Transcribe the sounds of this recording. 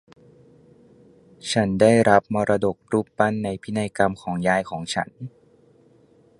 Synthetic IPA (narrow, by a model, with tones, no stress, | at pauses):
t͡ɕʰa˦˥ndaː˥˩jɾa˦˥p̚mɔː˧ɾʔa˧do˨˩k̚ɾuː˥˩ppa˥˩nːa˧jpʰi˦˥na˧jka˧mkʰɔː˩˦ŋjaː˧jkʰɔː˩˦ŋt͡ɕʰa̰˦˥n